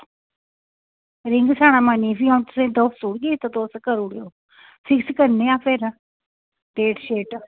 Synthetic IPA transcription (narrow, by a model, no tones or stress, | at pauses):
ɾɪŋɡsʰaːɽ̃aːmaːniːfiãt̪ʊsẽd̪əfsuːɽɡeːt̪ət̪oːskəɾuɽejoː | fʰɪkskəɾneaːpʰeːɾ | ʈeːʈʃeːʈ